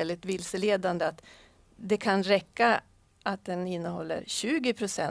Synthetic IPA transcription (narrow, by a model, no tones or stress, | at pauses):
ɛld̪ɪt̪vɪlsəleːd̪and̪əat̪ | d̪ɛkʰanɾɛkːa | ʔat̪̚d̪ɛnɪnːəhɔlːə̰ɾɕʉ̟ːɡɪpʰɾʊsɛ